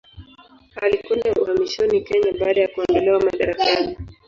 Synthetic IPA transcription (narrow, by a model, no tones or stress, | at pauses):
halikɛndauhamiʃɔnikɛɲaɓaːɗajakuandalɛwamaɗaɾakani